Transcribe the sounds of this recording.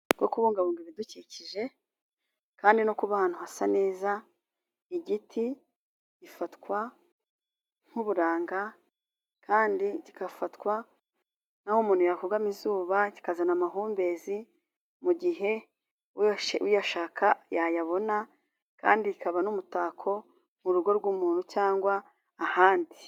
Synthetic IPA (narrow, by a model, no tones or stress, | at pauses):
ɡokuβuːŋɡaβoːŋɡiβiduciciʒe̞ | kaːndinokuβahaːn̥huhasane̞ːza | iɟitʰi | ɟifatkwa | ŋ̥huβuɾaːŋɡa | kaːndiɟikafatkwa | nahomuːn̥hujakuɡamizuːβaɟi̥kazanamaɦuːmbe̞zi | muɟiɦe̞ | wʃwijaʃaːkʰajajaβo̞na | ka̰ːndikaβanumutaːkʰo̞ | muɾuɡo̞ɾɡumuːn̥hucaːŋɡwaː | haːndi